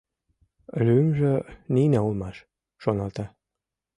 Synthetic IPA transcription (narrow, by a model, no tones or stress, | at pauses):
lymʒeninæulmɑʃ | ʃonɑlt̪ɑ